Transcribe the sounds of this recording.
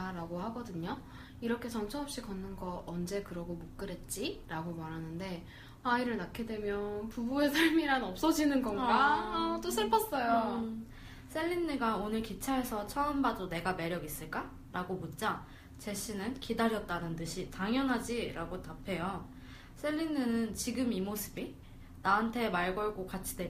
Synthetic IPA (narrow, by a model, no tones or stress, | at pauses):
aɾaɡohaɡʌdɯɲo | iɾʌkʰe̞t͡ɕʌmt͡ɕʰʌɦʌp̚ɕ͈ikʌnːɯnɡʌʌnd͡ʑe̞kɯɾʌɡomok̚k͈ɯɾet̚t͡ɕ͈iɾaɡomaɾɦanɯnde̞ | aiɾɯɭnakʰidwe̞mjʌnpubue̞sʰaɭmiɾanʌp̚s͈ʌd͡ʑinɯnɡʌnɡat͈osʰɯɭpʰʌs͈ʌjo | sʰe̞ʎːinːɯɡaonɯɭkit͡ɕʰae̞sʰʌt͡ɕʰʌɯmbadone̞ɡame̞ɾjʌɡis͈ɯɭk͈a | ɾaɡomut̚t͡ɕ͈a | t͡ɕeɕ͈ʰinɯnkidaɾjʌt̚t͈anɯntɯɕʰitaŋjʌnɦad͡ʑiɾaɡotapʰe̞jo | sʰeʎːinːɯnɯnt͡ɕiɡɯmimosʰɯbi | naɦantʰe̞maɭɡʌɭɡokat͡ɕʰi̥de